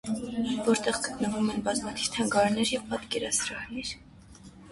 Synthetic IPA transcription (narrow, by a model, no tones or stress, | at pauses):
vɔɾt̪ɛʁɡət̪nəvumɛnbɑzmɑt̪ʰiv̥t̪ʰɑŋɡɑɾnɛɾjɛvpɑt̪kɛɾɑsɾɑhnɛɾ